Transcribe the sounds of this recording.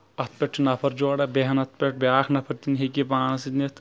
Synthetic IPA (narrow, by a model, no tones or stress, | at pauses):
ɐt̪̚pʲeʈːinɐpʰɐɾd͡ʒoːɽɐbeɦɐnɐt̪̚ʰpʲeʈ̚bʲaːkʰnɐpʰɐɾt̪inɦeɡibaːnɐsit̪nit̪ʰ